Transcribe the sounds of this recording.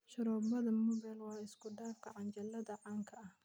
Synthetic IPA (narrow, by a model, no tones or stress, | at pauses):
ʃɐɾɔːbɐðɐmʊbɛlwɑːɪskʰʊɖaːfkʰɐʕɑnt͡ʃɐlɐðɐʕɑːŋkʰɐʔɐh